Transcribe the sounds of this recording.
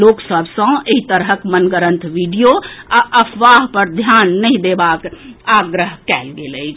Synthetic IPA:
loksəbʱsə̃eɦit̪əɾɦəkmənɡəɾə̃nt̪ʰʋiɖijoaʔəpʰʋaɦpəɾd̪ʱjanːəĩd̪ebakaɡɾəɦkɛlɡeləɪt͡ʃʰ

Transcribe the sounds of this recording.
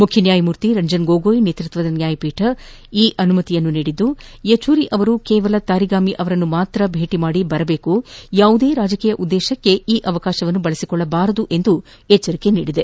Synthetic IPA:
mukʰjɐnjaːjɐmuːɾt̪iɾɐɲd͡ʒɐnɡoːɡoːjnet̪ɾut̪ʋɐd̪ɐnjaːjɐpiːʈʰɐ | iːʔɐnumɐt̪ijɐnːuniːɽid̪ːujet͡ʃuːɾiʔɐʋɐɾukɛːʋɐlɐt̪aːɾiɡaːmiʔɐʋɐɾɐnːumaːt̪ɾɐbʱe̞ːʈimaːɽibɐɾɐbe̞ːkujaːʋud̪eːɾaːd͡ʒɐkiːjɐʔud̪ːɛːʃɐkːe̞iːʔɐʋɐkaːʃɐʋɐnːubɐɭɐsikɔɭːɐbaːɾɐd̪uʔe̞nd̪u | ɛt͡ʃːɐɾike̞nḭːɽid̪e̞

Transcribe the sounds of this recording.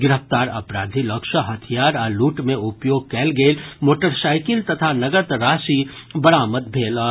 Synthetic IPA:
ɡɪɾəft̪aːɾɐ̰pɾaːd̪ʱilɐkʃəɦɐt̪ʰijaːɾɔluːʈmẽʊpjoːɡ̚kɛːlɡeːlmoːʈəɾsaːɪkɪlt̪ɐt̪ʰanɐɡət̪ɾaːsi | bɐɽaːməd̪̚bʱeːlɔː

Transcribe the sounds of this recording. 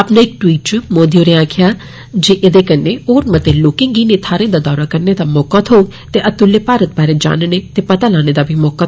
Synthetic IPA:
aːpnaɪk̚ʈwiːʈ̚t͡ʃmoːd̪ioːɾeãːkʰɪjaː | d͡ʒiʔɪd̪ekɐnːeoːɾmət̪eloːkɪ̃ŋɡiːnet̪ʰaːɾẽd̪aːd̪ɔːɾakɐɾned̪amɔːkat̪ɦou | t̪eʔɐt̪ʊlːepaːɾət̪̚baːɾed͡ʒa̰ːnnet̪epɐt̪alaːned̪abʱimɔːka

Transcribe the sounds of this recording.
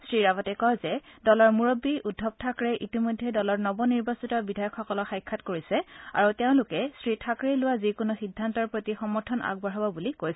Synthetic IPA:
sɹiɹabɔtɛkɔzɛdɔlɔɹmuɹobiʔudʱːɔb̚tʰakɹɛʔitimɔjdʱːɛdɔlɔɹnɔbɔniɹbɔsitɔbidʱajɔkʰxɔkɔlɔxajkʰːatkoɹisɛa̰ɹuteʊ̃lʊkɛsɹitʰakɹelʊwazikʊnuxidʱːantɔɹpɹotixɔmɔɹtʰɔna̰ɡ̚bɔɹɦabɔbulikojs

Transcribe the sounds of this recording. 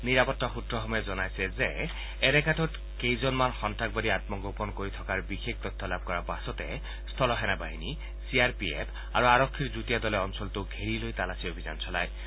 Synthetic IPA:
niɾapɔt̪ːɔxut̪ɾɔxɔmɔjɛzɔnajsɛzeː | ɾɛkatɔt | kejzɔnmanxɔntak̚baɾiat̪mɔɡopɔnkoɹit̪ʰɔkaɹbixek̚t̪ɔt̪ʰːɔlab̚ʱkɔɾabasɔt̪e | st̪ʰɔlɔɦɛnabaɦini | siaɹpiḛpʰ | aɹuaɹɔkʰːiɹzut̪ijad̪ɔlɛɔnsɔlt̪uɡʱeɾilojt̪alasiobʱiza̰nsʰɔla̰j

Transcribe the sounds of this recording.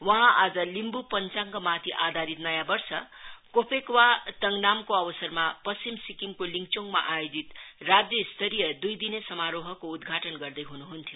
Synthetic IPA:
wʌɦãʔad͡zʌlimbupʌnt͡saŋkomat̪ʰiʔad̪ʱaɾit̪nʌjãbʌrsʌkopʰekwat̪ʌŋnamkoʌbʌsʌrmapʌst͡ʃimsikimkoliŋkt͡soŋɡma̰ʔajod͡zit̪rad͡zjʌist̪ʰʌɾijʌd̪ujd̪inesʌmaɾoɦʌkoud̪ɡʱaʈʌnɡʌrd̪ʌjɦunuɦunt̪ʰijo

